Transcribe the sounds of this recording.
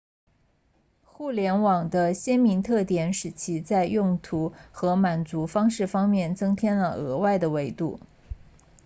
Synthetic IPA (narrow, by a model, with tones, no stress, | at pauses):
xu˥˩ljɛ˧˥nwɑ˨˩ŋd̪ə˦ɕjɛ˥nmi˧˥ŋt̪ʰɤ˥˩t̪jɛ˧˥nʂɻ̩˨˩t͡ɕʰi˧˥t͡sa˥˧ɪjʊ˥˩ŋt̪ʰu˧˥xɤ˧˥ma˨˩nt͡su˧˥fɑ˥ŋʂɻ̩˥˩fɑ˥ŋmjɛ˥˩nt͡sɤ˥ŋt̪ʰjɛ˥nlə˨ɤ̰˧˥wa˥˩ɪd̪ə˩we˧˥ɪt̪ṵ˥˩